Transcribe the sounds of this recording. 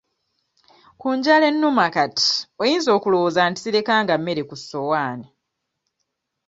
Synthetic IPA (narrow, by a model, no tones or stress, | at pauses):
kuːɲɟale̞nːumakati̥ojiːnzo̞ːkulowozaːnti̥ziɾe̞kaːŋɡamːe̞ɾe̞kusːo̞waːni